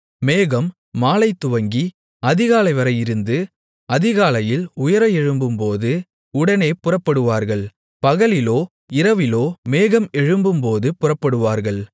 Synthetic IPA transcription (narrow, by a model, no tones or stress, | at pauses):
meːɣɐmː | aːlɐɪt̪ːʊʋɐŋɡi | ɐðɪɣaːlɐɪʋɐɾɐjɪɾɯnd̪ɯ | ɐðɪɣaːlɐjɪlʊjɐɾɐɛɻɯmbɯmpoːðɯ | ʊɽɐneːpʊrɐpːɐɽɯʋaːɾɣɐɭ | pɐɣɐɭɪloː | ɪɾɐʋɪloːmeːɣɐmɛɻɯmbɯmpoːðɯpʊrɐpːɐɽɯʋaːɾɣɐɭ